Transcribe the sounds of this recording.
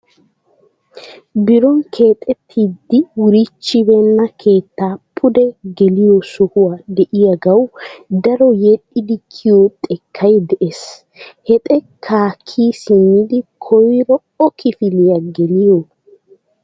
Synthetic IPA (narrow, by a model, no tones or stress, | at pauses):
bɪɾɔŋkʰe̞ːt̪ʼɛt̪ʰːid̪ːɪwʊɾɪt͡ʃːɪbɛnːɐkʰe̞ːt̪ːaːpʰʊd̪ɛɡɛlɪjosʊhʊwaːd̪ɛʔɪjɐɡɐwd̪ɐɾɔjɛɗːɪd̪ɪkʰːɪjot̪ʼɛkʰːɐjd̪ɛʔes | hɛt̪ʼɛ | kʰaːkʰːiːsɪnːɪd̪ɪkʰɔjɾɔ | ɔkʰɪfɪlɪjɐɡɛlɪjo